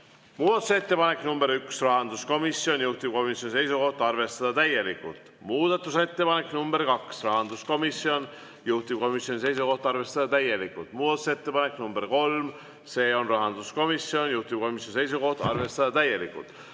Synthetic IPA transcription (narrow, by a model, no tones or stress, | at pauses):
muːd̪̥ɑt̪ˑuse̞t̪ːe̞pɑnekːˑnumbe̞ɾyksrɑɦɑnd̪usko̞misjo̞njuht̪ib̥̚ko̞misʲjo̞nise̞jsuko̞ht̪ɑrve̞st̪ɑd̪̥ɑt̪æje̞likːult̪ˑ | muːd̪̥ɑt̪ːˑuse̞t̪ːe̞pɑne̞knumb̥e̞ɾkɑksrɑɦɑnd̪usko̞misio̞n | juht̪ib̥̚ko̞misjo̞nʲise̞jsuko̞ht̪ɑrve̞st̪ɑd̪̥ɑt̪æjːe̞likːˑult̪muːd̪ɑt̪ːˑu̥se̞t̪ːe̞pɑnekˑnumbeɾko̞lm | se̞ːo̞nrɑɦɑnd̪usko̞misjo̞njuht̪ib̥̚ko̞misjonise̞jsuko̞ht̪ɑrve̞st̪ɑd̪̥ɑt̪æjːe̞likːṵlt̪ˑ